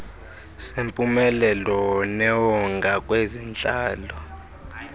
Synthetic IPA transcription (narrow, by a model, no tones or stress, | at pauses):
sempʼumɛlɛlɔnɛwɔŋɡʱakʼwezint͡ɬʼaːlɔ